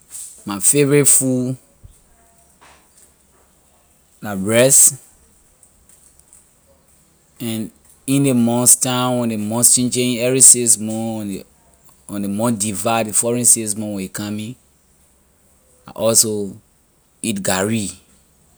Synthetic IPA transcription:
mafevɹetfu | labɹɛs | ɛ̃n | ĩndemɔ̃nstãɔ̃ndemɔ̃nst͡ʃĩnd͡ʒẽĩɛvɹisesmɔ̃ | ɔ̃ndemɔ̃ndivadefɔɹĩnsis̬mɔ̃wekamĩ | a̰ʔɔlso | itɡaɹi

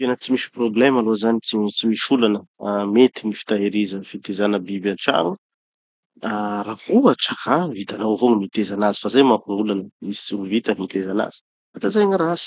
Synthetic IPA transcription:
t̪enət͡simisi̥problemalozanit͡sit͡simiʃulanəmet̪inifi̥t̪aɦeɾizəfit̪ezanəbibanʈ͡ʂa̰ŋu | arakuaʈ͡ʂakʰavit̪anawvoŋimit̪ezanazi̥fazajmapuŋulanəmisuvit̪əmit̪ezana̰z̥i̥ | at̪azajŋəɾas

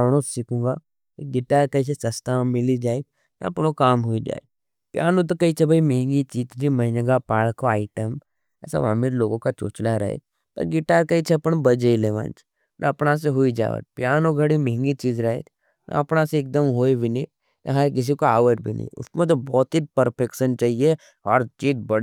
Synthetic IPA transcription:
ɽ̃õsɪkũɡa | keɡɪʈaːɾkɐis̬esɐst̪ʰãmɪlid͡ʒaːe | nɐ̰ɐpnokaːmɦʊid͡ʒa̰ːe | pjaːnõt̪̬okɐit͡ʃʰebʱaimeɦɪ̃ŋɡit͡ʃiːt̪d͡ʒimɐɦɪnəɡapaːɭkoaːɪʈəm | ɛ̰ːsa̰ʋa̰ːmilloːɡõkat͡ʃo̰ːt͡ʃlaɾɐ̰ɦḛ | t̪ɐ̰ɡɪʈaːɾkait͡ʃʰɛpənbɐd͡ʒeileʋã̰ːnt͡ʃ | na̰ɐpnas̬eɦʊid͡ʒa̰ːʋə̰t̪̚pjaːnõɡʱɐɽimeɦɪ̃ŋɡit͡ʃiːzɾɐɦḛt̪ʰ | na̰ɐpnaseeːk̚d̪əmɦoːibʱinː | ɐ̰ɦakɪs̬ikoaːʋəʈbʱinɐ̰ḭ̃ʊ̰smẽt̪̬obɔːt̪ipɐɾpʰekʃənt͡ʃaːɦie | ɔːɾt͡ʃiːt̪bɐɽ

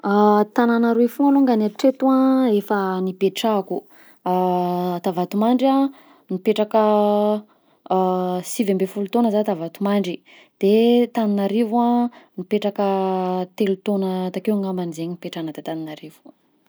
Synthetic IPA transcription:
at̪ananaɾeefuanuŋɡanaʈ͡ʂet̪uãefənipeʈ͡ʂaku | t̪avat̪umaɳɖ͡ʐia | nipeʈ͡ʂakə | sivembefulut̪onəzat̪avat̪umaɳɖ͡ʐi | d̪̥et̪aninaɾivuãnipeʈ͡ʂakət̪elut̪onət̪akewaŋambanizeɲinipeʈ͡ʂanəd̪et̪aninaɾevu̥

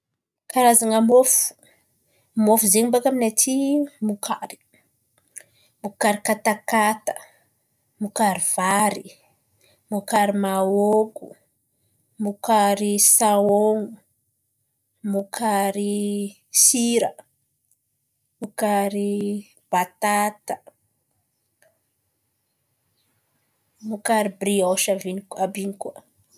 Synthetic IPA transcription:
kaɾazaŋəmofu̥ | mofuzeŋumbakaminatʰimukʰaɾi̥ | mukaɾikat̪akat̪ə̥ | mukaɾiv̥aɾi | mukaɾimaoku | mukaɾisaoŋu | mukʰaɾi | siɾə | mukaɾi | b̥at̪at̪ə | mukaɾibrioʃavinikabinikuwə

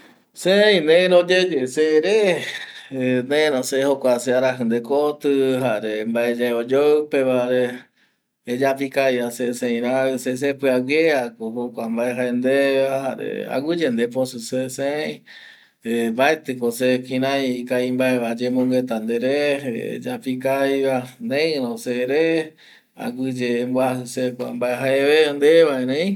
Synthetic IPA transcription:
sẽĩnẽɾod͡ʒed͡ʒeseɾe | nẽɾõsehokʷaseaɾaɦɨnd̪ekot̪ɨɦaɾembaed͡ʒaeod͡ʒopeβaɾeː | d͡ʒapikajasesẽĩɾãses̬epɨawjeakoɦokʷambaeɦaend̪eahaɾḛa̰ɡɨd͡ʒend̪eposuseseej̃ | ebaet̪ɨkosekʰĩɾãjkaimbaeβad͡ʒemõŋɡet̪and̪eɾḛd͡ʒapikajβanẽɾõseɾe | a̰ɡɨd͡ʒeːmbwasusekʷa̰mbaeɦaeβend̪eβaeɾẽĩ

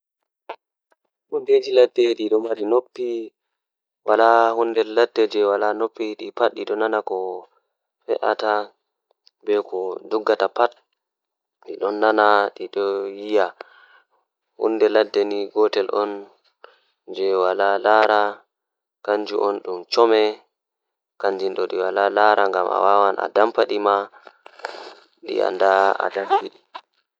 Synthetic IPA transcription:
ɗunded͡ʒiladːɛɗiɗɔmaɾinopːi | walahundɛːadːɛd͡ʒɛwalanopːiɗipat̚ɗiɗɔnanakɔ | fɛ̰ʔa̰ta | bɛkɔdɔɡːatapat̚ | ɗiɗɔnːanaɗiɗɔjija | hṵndɛladːɛniɡɔtɛlʔɔn | d͡ʒɛwalalaɾa | kaɲd͡ʒuʔɔnɗumt͡ʃɔmɛ | kaɲd͡ʒinɗɔɗiwalalaɾaŋɡamʔa̰wawanʔa̰dampaɗima | ɗḭa̰ndaa̰daɾdiɗi

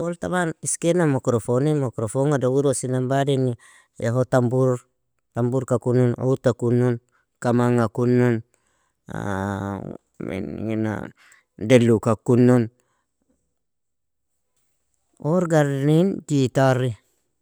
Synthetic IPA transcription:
olt̪aβaniskenamakɾofonimakɾofoŋadauɾosinambadini | jaɦot̪ambuɾ | t̪ambuɾkakununo̰ut̪akunun | kamaŋakunun̰ | mḛnna̰ | delukakunun | oɾɡaɾnind͡ʒit̪aɾi

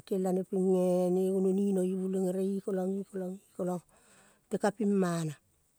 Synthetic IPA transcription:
kelanepiŋːeniununinojuleŋeɾeikoloŋikoloŋikoloŋ | tekapimːana

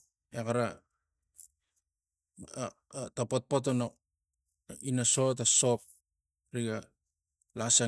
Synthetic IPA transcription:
ekaɾa | tapot̚pot̬ono | inasot̬asop̚ | ɾiɡa | lasa

